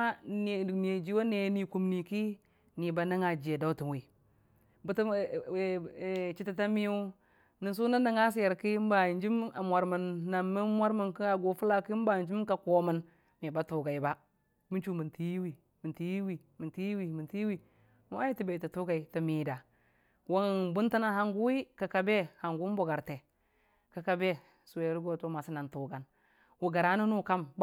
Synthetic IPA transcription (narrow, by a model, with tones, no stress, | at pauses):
a˦n˨ni˨e˨d͡ʒi˦wo˦ne˨˦ni˨ku˨mni˨ki˦ | ni˨ba˨na˦ŋa˨d͡ʒi˨e˨da˦u˦ti˨nwi˨ | bu˦t | t͡ʃi˦ta˨ta˦mi˦u˦ | ni˨ns̬u˦na˦nda˨ŋa˦s̬i˦a˨ɾki˦m˦ba˨nd͡ʒi˦ma̰˨mʷa˨ɾmə˨nːa˨mːi˦mʷ˦a˦ɾmə˨nki˦a˨ɡo˨fu˦la˦ki˦m˦ba˨nd͡ʒi˦m˦ka˨ko˨mə˨n | mi˨ba˦tu˨ɡa˨i˨ba˦ | mi˦t͡ʃu˦mi˨nti˨ji˦wi˨ | mi˨nti˦ji˦wi˨ | mi˨ti˦i˦wi˨mi˨nti˦i˦wi˨ | m˦a˦ji˦ti˨be˨ti˨tu˦ɡa˨i˨ti˨miː˨da˨ | wa˦ŋbu˦n˦ta˦na˦ha˨ŋɡu˦i˦ka˨ka˨be˦ha˨ŋɡu˦m˦bo˨ɡa˨ɾte˨ | ka˨ka˨be˦ | su˨je˨˦ɾɡo˦to˦ma˨si˦na˨ntu˨ɡa˨n | wu˨ɡa˨ɾa˦nu˦nu˦˨ka˦m˦